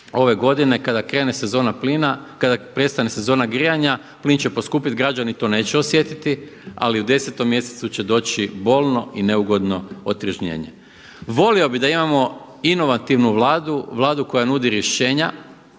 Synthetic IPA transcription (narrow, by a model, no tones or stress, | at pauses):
o̞ʋe̞ɡo̞d̪ine̞kad̪akɾe̞ːnesezoːnaplinakad̪apɾe̞t̪st̪anese̞zo̞ːnaɡɾijaɲa | pliːnt͡ɕe̞po̞skuːpit̪ɡɾad͡ʑanit̪o̞ne̞ːt͡ɕeo̞sje̞t̪it̪ia̰liud̪e̞set̪o̞mːje̞se̞t̪sut͡ɕe̞d̪o̞ːt͡ɕibo̞lˠno̞ine̞uɡo̞d̪no̞ot̪ɾiʒɲḛːɲe̞̰ | ʋo̞lio̞bid̪aimamo̞ | ino̞ʋat̪iʋnuʋlaːd̪uʋlˠaːd̪uko̞janud̪iɾje̞ʃe̞ːɲa